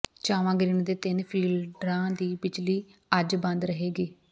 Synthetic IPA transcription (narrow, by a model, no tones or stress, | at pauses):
t͡ʃaːʋãːɡɾɪɳd̪eːt̪ɪnpʰiːlɖɾãːd̪iːbɪt͡ʃliːəd͡ʒbə̃nd̪ɾəɦeːɡiː